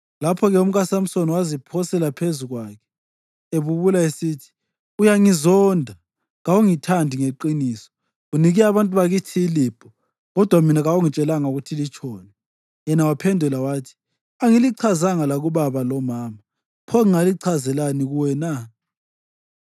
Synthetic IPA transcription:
lapʰɔɣɛum̩ɣasam̩sonwazipʰɔsɛlapʰezuɣwaːkʰɛ̥ | eβuβulaesiːtʰi̥ | ujaŋizɔndʱa | ɣawuŋitʰandʱiŋeǃiniːsɔ̥ | uniɣiaβantʼuβaɣitʰiːliːb̥ʱɔ | ɣɔd̥ʱwaminaɣawuŋit͡ʃʼɛlaŋauɣutʰilit͡ʃʰʼɔːnɛ | ɛnawapʰɛndʱulawaːtʰi̥ | aŋiliǀʰazaŋalaɣuβaβalɔmaːma | pʰɔŋiŋaliǀʰazɛlaniɣuwɛna

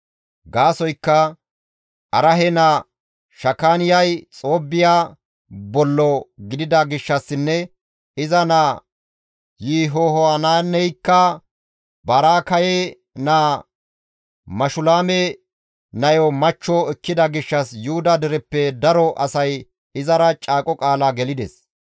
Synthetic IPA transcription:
ɡaːsɔjkːɐ | ʔɐɾɐɦɛnaː | ʃɐkːaːnɪjɐjt͡sʼo̞ːbːɪjaː | bɔlːɔɡɪd̪ɪd̪ɐɡɪʃːɐsːɪnːɛ | ɪzɐnaː | jiːɦoɦɔanaːnːɛjkːɐ | bɐɾaːkɐjɛ | naː | mɐʃʊlaːmɛ | nɐjɔmɐt͡ʃːɔɛkːɪd̪ɐɡɪʃːɐsjʊhʊd̪ɐd̪ɛɾɛpːɛd̪ɐɾɔʔɐsɐj | ɪzɐɾɐt͡ʃʼaːkʼɔkʼaːlaːɡɛlɪd̪ɛs

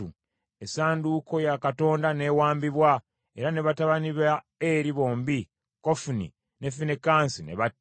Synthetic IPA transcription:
u | e̞saːnduːko̞jakato̞ːndane̞ːwaːmbiβwa | e̞ɾane̞βataβaniβa | eɾiβo̞ːmbi | kofunḭ | ne̞finekaːnsine̞̰βatː

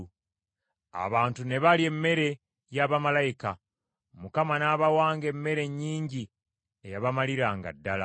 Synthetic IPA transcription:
a̰βaːntune̞βalie̞mːe̞ɾe̞ | jaβamalajika | mukamanaβawaːŋɡe̞mːe̞ɾe̞ɲːiːɲɟi | ejaβamaliɾaːŋɡa̰dːala̰

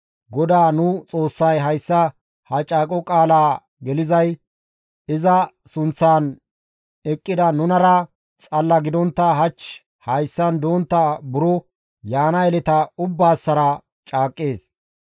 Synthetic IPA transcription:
ɡɔd̪aːnʊt͡sʼo̞ːsːɐjɦɐjsːɐ | hɐt͡ʃʼaːkʼɔkʼaːlaː | ɡɛlɪzɐj | ɪzɐsʊnt͡sːaːn | ɛkʼːɪd̪ɐnʊnɐɾɐ | t͡sʼɐlːɐɡɪd̪ɔnt̪ːɐɦɐt͡ʃ | hɐjsːɐnd̪oːnt̪ːɐbʊɾɔ | jaːnɐɛlɛt̪ɐʊbːaːsːɐɾɐ | t͡ʃʼaːkʼːe̞ːs

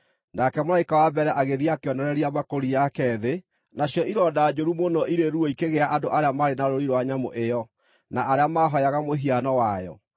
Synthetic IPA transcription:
nakɛmoɾaikawabɛɾɛʔaɣeðiaːkeɔnɛɾɛɾiamakoɾijakɛðe | naɕjɔʔiɾɔdad͡ʒoɾumonɔʔiɾeɾuɔikeɣeaʔadoʔaɾeamaɾenaɾoɾiɾwaɲamo̰ʔejɔ | naaɾeamaːɦɔjaɣamoɦianɔwajɔ̰

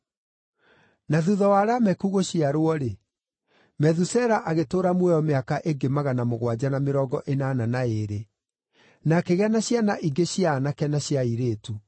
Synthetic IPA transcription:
naðuðɔwaɾamɛkuɣoɕiaɾoɔɾe | mɛðusɛɾaʔaɣetoːɾamwɛɔmeakaʔeŋɡemaɣanamoɣwad͡ʑanameɾɔːɡɔʔenananaeɾe | nakeɣɛnaɕjanaʔiɡeɕjaːnakɛnaɕiaiɾeːtu

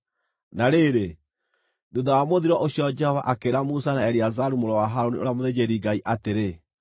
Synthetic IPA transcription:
naɾeɾe | duðawamoðiɾɔʔosiɔd͡ʒɛhɔvaʔakeɾamusanaɛɾiazaɾumoɾɔwaɦaɾoniʔoɾeamoðed͡ʑeɾiɡaiʔateɾe

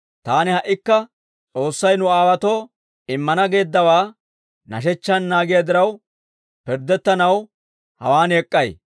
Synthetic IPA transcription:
t̪aːnɪhɐʔːɪkːɐ | t͡sʼo̞ːsːɐjnʊaːwɐt̪o̞ː | ɪmːɐnɐɡe̞ːd̪ːɐwaː | nɐʃ̬ɛt͡ʃːɐnːaːɡɪjɐd̪ɪɾɐw | pɪɾd̪ɛt̪ːɐnɐw | hɐ̰waːnɛkʼːɐj

